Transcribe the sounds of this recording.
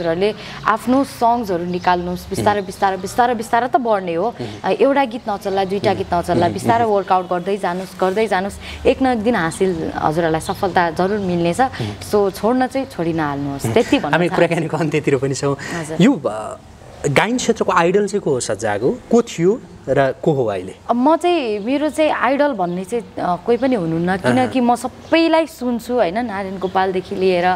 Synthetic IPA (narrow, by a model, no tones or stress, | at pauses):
ɦʌd͡zuɾʌɾule | a̰pʰnosʌŋd͡zʌɾunikalnusbist̪aɾʌbist̪aɾʌbist̪aɾʌbist̪aɾʌt̪ʌbʌrneɦoʔewʈaɡit̪nʌt͡sʌlːad̪ujʈaɡit̪nʌt͡sʌlːabist̪aɾʌwʌrkawʈ̚ɡʌrd̪ʌjd͡zanusɡʌrd̪ʌjd͡zanoseknʌjk̚d̪inɦasilɦʌ̰d͡zuɾɦʌɾulajsʌpʰʌlt̪ad͡zʌɾurmilnet͡sʰʌsot͡sʰoɽnʌt͡sʌĩt͡sʰoɽinʌalnuɦost̪et̪ibʱʌnɦamipuɾakanikoʌnt̪et̪iɾopʌnit͡sʰʌ̃w̃ɦʌd͡zurjo | ɡajnt͡sʰet̪rʌkoajɽʌlt͡saj̃koɦosʌd͡zaɡokot̪ʰijo | rʌkoɦoa̰jlemʌt͡saĩmeɾot͡saĩajɽʌlbʱʌnːet͡saĩkoijpʌniɦunuɦunːʌkinʌkimʌsʌbʌjlajsunt͡sʰuɦʌjnʌnaɾinɡopald̪ekʰilieɾʌ